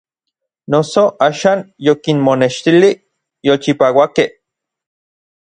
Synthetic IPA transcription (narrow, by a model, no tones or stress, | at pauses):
nosoʔaːʃaːnjokinmoneʃt̪ili | jolt͡ʃipaːwakeh